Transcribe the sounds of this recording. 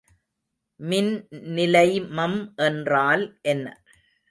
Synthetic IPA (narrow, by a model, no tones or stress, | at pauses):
mɪnnɪlɐɪmɐmʔɛndraːlʔɛnːɐ̰